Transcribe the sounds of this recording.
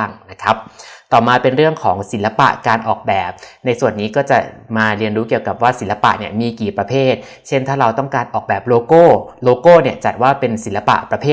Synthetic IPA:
ŋna˦˥kʰa˦˥p̚t̪ɔː˨˩maː˧pe˧nɾɯ˥˩əŋkʰɔː˩˦ŋsi˨˩˦nla˧pa̰˨˩ʔkaː˧nʔɔː˨˩k̚bɛː˨˩p̚na˧jsu˨˩ənːiː˦˥kɔː˥˩t͡ɕa˨˩maː˧ɾi˧ənɾuː˦˥ki˨˩əwka˨˩p̚waː˥˩si˩˦la˧pa̰˨˩ʔni˥˩ɐmiː˧kiː˨˩pɾa˧pʰeː˥˩t̪̚ | t͡ɕʰe˥˩nt̪ʰaː˥˩ɾa˧wt̪ɔ˥˩ŋkaː˧nʔɔː˨˩k̚bɛː˨˩p̚loː˧koː˥˩loː˧koː˥˩ni˥˩ət͡ɕa˨˩t̪̚waː˥˩pe˧nsi˨˩˦nla˧pa̰˨˩ʔpɾa˧pʰeː˥˩

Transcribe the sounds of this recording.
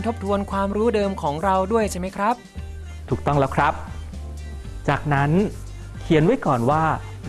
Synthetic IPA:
nt̪ʰo˦˥p̚t̪ʰu˧ənkʰwaː˧mɾuː˦˥dɤː˧mkʰɔː˩˦ŋɾa˧wdu˥˩əjt͡ɕʰa˥˩jma˦˥jkʰɾa˦˥p̚ | t̪ʰuː˨˩k̚t̪ɔ˥˩ŋlɛː˦˥wkʰɾa˦˥p̚ | t͡ɕaː˨˩k̚na˦˥n | kʰi˧ənwa˦˥jkɔː˨˩nwaː˥˩

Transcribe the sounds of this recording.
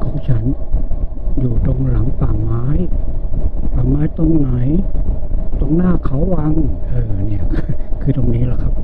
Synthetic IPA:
kʰɔː˩˦ŋt͡ɕʰa˦˥n | juː˨˩t̪o˧ŋla˩˦ŋpaː˨˩ŋmaː˦˥j | paː˨˩ŋmaː˦˥jt̪o˧ŋna˩˦j | t̪o˧ŋnaː˥˩kʰa˦˥wːa˧ŋʔɤː˨˧˩ni˥˩ɐkʰːkʰɯː˧t̪o˧ŋniː˦˥la˨˩kʰa˦˥p̚

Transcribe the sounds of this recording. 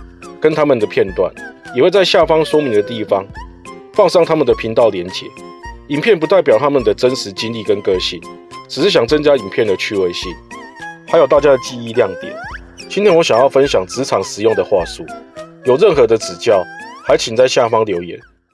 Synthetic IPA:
kə˦nt̪ʰa˥mə˨nd̪ə˩pʰjɛ˥˧nt̪wa̰˥˩njɛ˨˩we˥˧t͡sa˥˧ɪɕja˥˨fɑ˥ŋswɔ˥mi˨˧˥ŋd̪ə˨t̪i˥˩fɑ˦ŋ | fɑ˥˧ŋʂɑ˥˧ŋt̪ʰa˥mə˨nd̪ə˩pʰi˨˥ŋt̪ɑ˥˩ʊljɛ˧˥nt͡ɕjɛ̰˨˩˦i˨˩npʰjɛ˥˨np̬u˧˦t̪a˥˩ɪp̬jɑ˨˩ʊt̪ʰa˦˥mə˨nd̪ə˩t͡sə˦˥nʂɻ̩˧˦t͡ɕi˦nli˥˨˩kə˦nkɤ˦ɕi˥˩nʈ͡ʂɻ̩˨˩ʂɻ̩˥˩ɕjɑ˨˩ŋt͡sə˦nt͡ɕja˦˥i˨˩npʰjɛ˥˩nd̪ə˩t͡ɕʰy˥˧we˥˧ɪɕi˥˩nha˧˥jo˨˩ʊt̪a˥˩t͡ɕja˥d̪ə˨t͡ɕi˥˧i˥˧ljɑ˥˩ŋt̪jɛ̰˨˩˦n | t͡ɕi˦nt̪jɛ˧˥nwɔ˧˦ɕja˨˩ŋjɑ˥˩ʊfə˦nɕjɑ˨˩ŋt͡sɹ̩˧˥t͡sʰɑ˨˩ŋʂɻ̩˨˩jo˥˨˩ŋd̪ə˩xwa˥˧su˥jo˨˩ʊɻə˥˩nxɤ˧˦d̪ə˨t͡sɹ̩˨˩t͡ɕjɑ˥˨ʊha˧˦ɪt͡ɕʰi˨˩nt͡sa˥˧ɪɕja˥˨˩fɑ˥ŋljo˧˥ʊjɛ˨˧˥n

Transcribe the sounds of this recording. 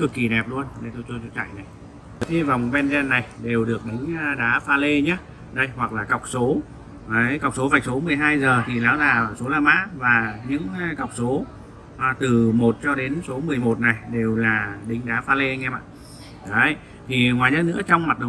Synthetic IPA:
kɨ˨˩kːi˨˩nɛ˨˩p̚lu˧ənɗə˧˩jt̪o˧jt͡ɕu˧ət͡ɕu˧˦t͡ɕa̰˧˨jna˨˩j | t̪i˧vaː˨˩wmo˨˩t̚ɓɛ˧nzɛ˧nːa˨˩jɗe˨˩wɗɨ˨˩ək̚ɗï˨˦ŋ̟˧ɗaː˨˦faː˧le˧ɲaː˨˦ | ɗə˧jhwa˨˩k̚laː˨˩kwk͡p̚so˨˦ | ə˨˦ka˨˩wk͡p̚so˨˦vaː˨˩k̟so˨˦mɨ˨˩əjɦaː˧jzəː˨˩t̪ʰi˨˩laː˨˦wzaː˨˩˨so˨˦laː˧˩ma̰ː˧˥vaː˨˩ɲɨ̰˧˥ŋ˦ka˨˩wk͡p̚so˨˦˨ | t̪ɨ˨˩mo˨˩t̚t͡ɕɔ˧ɗe˨˦nso˨˦mɨ˨˩əjmo˨˩t̚na˨˩jɗe˨˩wlaː˨˩ɗï˨˦ŋ̟ɗaː˨˦faː˧le˧a˧jŋʔɛ˧ma̰ː˧˨ | ɗə˨˦j | t̪ʰi˨˩ŋwaː˨˩jzə˧˥n̚ɨ̰˧˥ət͡ɕɔ˧wŋ͡mma˨˩t̚ɗə˨˩˨

